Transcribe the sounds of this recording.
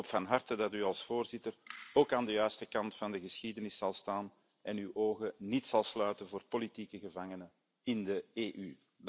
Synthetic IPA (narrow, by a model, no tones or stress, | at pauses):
oːpfɑnɦɑrtədɑtyɑlˠsfoːrzɪtəroːkaːndəjœːɥstəkɑntfɑndəɣəsxiːdənɪsːɑlˠstaːn | ʔɛnywʔoːɣənitsɑlˠslœːtənvoːrpolitiːkəɣəvɑŋənə | ɪndəeːʔy